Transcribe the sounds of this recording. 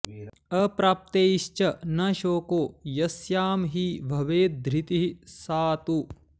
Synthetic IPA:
ɐpɾaːp̚t̪eːiʃt͡ʃɐnɐʃoːkoːjɐsjaːmɦiʋʱɐʋeːt̪̚d̪ɾit̪iɦisaːt̪u

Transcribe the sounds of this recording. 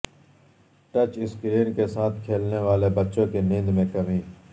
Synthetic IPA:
ʈət͡ʃɪskɾiːnkesaːt̪ʰkʰeːlneːʋaːleːbətːʃõːkeːnɪ̃nd̪mẽːkəmĩː

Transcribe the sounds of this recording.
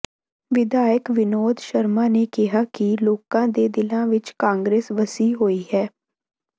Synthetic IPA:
ʋɪd̪aːjəkʋɪnoːd̪ʃəɾmaːneːkɪɦaːkiloːkãːd̪eːd̪ɪlãːʋɪt͡ʃkãːŋɡɾeːsʋəsiːɦoːiːɦɛː

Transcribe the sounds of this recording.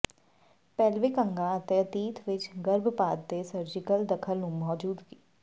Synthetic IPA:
pɛːlʋikəŋɡãːət̪ẽːət̪iːt̪ʰʋɪt͡ʃɡəɾbpaːt̪d̪eːsəɾd͡ʒɪkəld̪əkʰəlnũːmɔːd͡ʒuːd̪ɡiː

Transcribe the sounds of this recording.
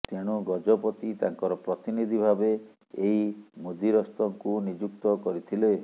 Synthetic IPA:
t̪eɽ̃uɡɔd͡ʒɔpɔt̪it̪aŋkɔɾɔpɾɔt̪inid̪ʱibʱabeː | imod̪iɾɔst̪ɔŋkunid͡ʒuk̚t̪ɔkɔɾit̪ʰile

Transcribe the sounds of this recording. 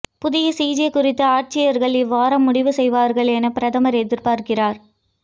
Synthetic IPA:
pʊðɪjɐsiːd͡ʒekʊrɪt̪ːɯaːʈ̚t͡ʃɪjɐɾɣɐɭɪʋaːɾɐmːʊɽɪʋɯsɛjʋaːɾɣɐɭɛnɐpɪɾɐðɐmɐɾɛðɪɾpaːɾkɪraːɾ

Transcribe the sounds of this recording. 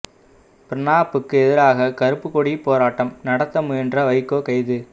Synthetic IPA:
pɪɾɪnaːpːɯkːɯɛðɪɾaːɣɐkɐɾɯpːɯkɔɽipːoːɾaːʈːɐmnɐɽɐt̪ːɐmɯɛndrɐʋɐɪkːoːkɐɪðɯ

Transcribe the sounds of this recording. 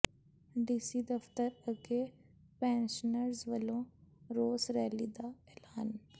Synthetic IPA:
ɖiːsid̪ɐft̪əɾɐɡe | pɛ̃ːnʃənəɾzʋəlõɾoːsɾɛːlid̪aɛːlaːn

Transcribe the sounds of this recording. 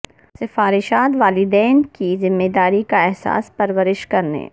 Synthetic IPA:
sɪfaːɾɪʃaːt̪ʋaːlɪd̪ɛːnkizɪmːeːd̪aːɾikaɛɦsa̰ːspɐɾʋəɾɪʃkɐɾnḛː

